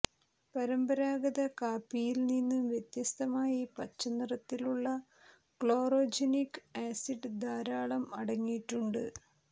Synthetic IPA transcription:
pɐɾɐmbɐɾaːɡɐðɐkaːpːijilninːumʋjet̪jɐst̪ɐmaːjipɐt͡ɕːɐnirɐt̪ːiluɭːɐ | kɭo̞ːroːd͡ʑɐnikːaːsiɖɨd̪aːɾaːɭɐmɐɽɐŋːijʈːuɳɖɨ

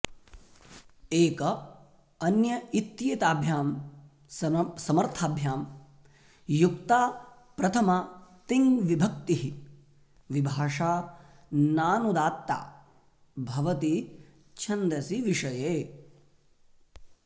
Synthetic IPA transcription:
eːkɐ | ɐnjɐit̪jeːt̪aːbʱjaːm | sɐmɐɾt̪ʰaːbʱjaːm | jukt̪aː | pɾɐt̪ʰɐmɐt̪iŋʋibʱɐk̚t̪iɦi | ʋibʱaːʂaː | naːnud̪aːt̪ːa̰ː | bʱɐʋɐt̪i | t͡ʃʰɐnd̪ɾɐsiʋiʂɐjeː

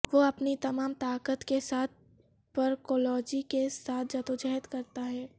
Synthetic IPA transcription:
ʋoɐpnit̪ɐmaːmt̪aːkət̪kesaːt̪̚ʰ | pɐɾkoːlɔːd͡ʒikesaːt̪̚ʰd͡ʒɐt̪od͡ʒɛɦət̪kɐɾt̪aɦɛː

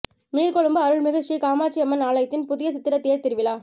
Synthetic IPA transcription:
mɪɪðkɔɭɯmbɐɐɾɯɭmɪɣɐɾikaːmaːʈt͡ʃːiɛmːɐnaːlɐɪt̪ːɪnpʊðɪjɐsɪt̪ːɪɾɐt̪ːejɐɾt̪ɪɾɯʋɪlaː

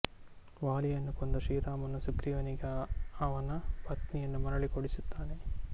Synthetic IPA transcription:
ʋaːlijɐnːukond̪ɐʃiːɾaːmɐnːusukɾiʋɐniɡeɐʋɐnːɐbɐt̪nijɐnːumɐɾɐɭikoɽisut̪ːaːne

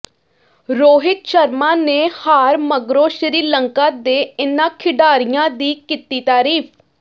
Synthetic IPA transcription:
ɾoːɦɪt̪ʃəɾmãːneːhaːɾməɡɾoːʃɾiːləŋkaːd̪eːɪnãːkʰɪɖaːɾijãːd̪iːkit̪iːt̪aːɾiːp̚ʰ

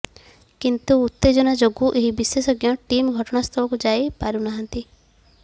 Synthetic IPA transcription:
kint̪uːt̪ːed͡ʒɔnad͡ʒoɡuʔeɦibisesɔɡjɔʈimɡʱɔʈɔɽ̃ast̪ʰɔbɔkud͡ʒaepaɾunaɦant̪i

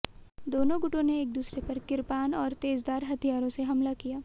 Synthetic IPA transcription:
d̪oːnõɡʊʈõneːk̚d̪uːsɾepɐɾkɪɾpaːnɔːɾt̪eːzd̪aːɾɦɐt̪ʰijaːɾõseɦɐmlakijaː

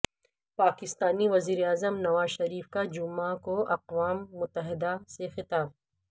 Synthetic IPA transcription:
paːkɪst̪aːniʋɐziːɾeaːzəmnɐʋaːzʃɐɾiːfkad͡ʒʊmãkoʔɐqʋaːmːʊt̪ːəɦɪd̪asexɪt̪aːb̚

